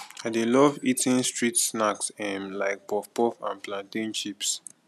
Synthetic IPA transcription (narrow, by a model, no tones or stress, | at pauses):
adelɔvitĩnstɹitsnaksɛ̃mlaɪk̚pɔfpɔfã̰nplãntĩnt͡ʃips